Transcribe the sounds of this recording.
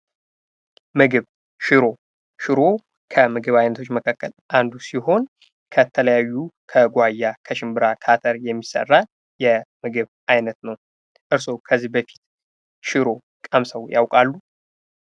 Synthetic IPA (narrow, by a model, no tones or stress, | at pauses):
mɨɡɨβ | ʃɪɾo̞ | ʃɪɾo̞ | kʰəmɨɡɨβajnət̪ʰot͡ʃːməkʰakːəlʔand̪usiɦo̞n | kʰət̪ʰələjajːukʰəɡʷajːakʰəʃɪmbɨɾakʰat̪ʰəɾjɛmːisə̰rːa | jɛmɨɡɨβʔajnət̪nəw | ʔɨɾso̞kʰəzːihbəfi̥t̪ | ʃɪɾo̞ | kʼəmsəwja̰wkʼalːu